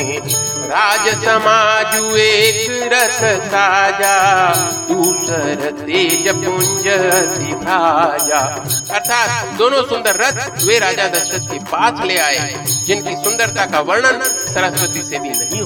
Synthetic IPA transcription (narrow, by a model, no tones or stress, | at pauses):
ɾaːd͡ʒəsəmaːd͡ʒuekɾət̪ʰsad͡ʒa | d̪uːsəɾət̪ed͡ʒəpʊɲd͡ʒəsikaːd͡ʒa | ɐɾt̪ʰaːt̪̚d̪oːnosʊ̃nd̪əɾːɐt̪ʰʊʋeɾaːd͡ʒad̪ɐsʃət̪̚kʰepaːsleaːɦe | d͡ʒɪnkʰesʊ̃nd̪əɾt̪akʰaʋɐɾɳənɪsɐɾə̃sɾət̪ised̪inɐɦĩɦ